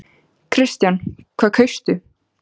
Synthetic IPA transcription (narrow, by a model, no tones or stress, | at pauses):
kʰɾɪst̪jankʰv̥aːkʰœɥst̪ʏ